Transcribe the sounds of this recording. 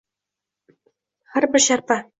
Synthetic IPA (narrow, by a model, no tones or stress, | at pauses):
χæɾbɘ̆ɾɕɑɾpɑ